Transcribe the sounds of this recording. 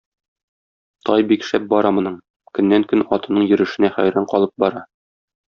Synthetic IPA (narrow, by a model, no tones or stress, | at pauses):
t̪ʰɒjbikʃæp̚bɒɾɑmŏnɤɴ | kɵ̆nːæŋkɵnɒt̪ɤ̆nɤɴjɵ̆ɾɘ̆ʃɘ̆næχæ̰jɾæɴqɒlˠɤp̚bɒɾɑ